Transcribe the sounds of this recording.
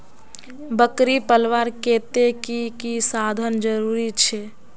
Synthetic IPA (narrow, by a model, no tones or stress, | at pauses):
bəkɾipəlʋaɾket̪ekikisad̪ʱənd͡ʒəɾuɾit͡ʃʰɛ